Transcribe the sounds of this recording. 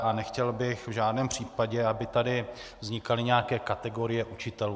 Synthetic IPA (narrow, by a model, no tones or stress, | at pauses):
ʔanɛxcɛlbɪxvʒaːdnɛːmpr̝̥iːpaɟɛabɪt̪adɪvzɲɪkalɪɲɛjakɛːkat̪ɛɡo̞ɾɪjɛʔut͡ʃɪt̪ɛluː